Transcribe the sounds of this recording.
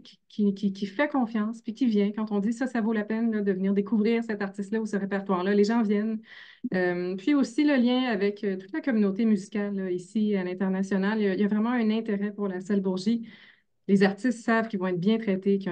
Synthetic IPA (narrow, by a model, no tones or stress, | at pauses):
kʲi̥kʲʰikʲikʲifɛkɔ̃fjɑ̃spɥikʲivjɛ̃kɑ̃t̪ɔ̃d̪isʌsavolapɛnlʌd̪əvniːʁd̪ekuvʁiːʁsɛt̪aʁt̪ɪst̪lʌusəʁepɛʁt̪waːʁlʌleʒɑ̃vjɛn | əmpɥiosiləljɛ̃avɛkʰət̪u̥t̪lakɔmynot̪emyzikʲalːʌisialɛ̃t̪ɛʁnasjɔnaljaijavʁɛmɑ̃ɛ̃nɛ̃t̪eʁɛpuʁlasalbuʁʒi | lezaʁt̪ɪst̪sav̥kʲivɔ̃ɛt̪̚bjɛ̃t̪χɛt̪ekjɔ̃